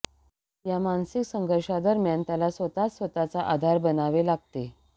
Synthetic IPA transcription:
jamansiksəŋɡʱəɾʂad̪əɾmjant̪jalasʋət̪at͡ssʋət̪at͡saʔad̪ʱaɾbənaʋelaɡ̚t̪e

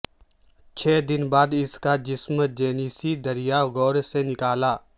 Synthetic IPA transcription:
t͡ʃʰɛːd̪ɪnbaːd̪ɪskad͡ʒɪsmd͡ʒeːniːsid̪ɐɾijaɣɔːɾsenɪkaːlaː

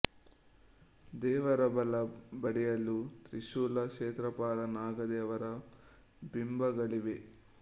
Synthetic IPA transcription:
d̪ɛːʋɐɾɐbɐlɐbɐɽijɐlːut̪ɾiʃuːlɐʃeːt̪ɾɐpaːɾɐnaːɡɐd̪ɛːʋɐɾɐ | bimbɐɡɐɭiʋe

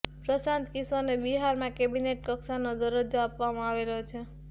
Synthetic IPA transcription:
pɾəsant̪kisanebiɦaɾmãkebineʈ̚kʌksanod̪əɾəd͡ʒoapʋamãaʋelot͡ʃʰe

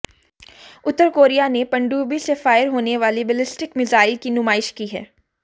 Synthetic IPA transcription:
ʊt̪ːəɾkoːɾijanepɐ̃ɳɖuːbisefaːɪɾɦoːneʋaːlibɛlɪsʈɪkmɪzaːɪlkinʊmaːɪʃkiɦɛ̰ː

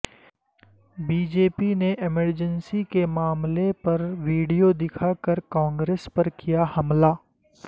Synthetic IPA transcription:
biːd͡ʒeːpineʔɪməɾd͡ʒənsikemaːmlepɐɾʋiːɖijod̪ɪkʰakɐɾkãːŋɡɾeːspɐɾkijahɐmlaː

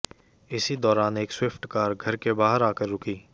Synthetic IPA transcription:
ɪsid̪ɔːɾaːneːkswɪpʰʈkaːɾɡʱɐɾkebaːɦəɾaːkəɾːʊkiː

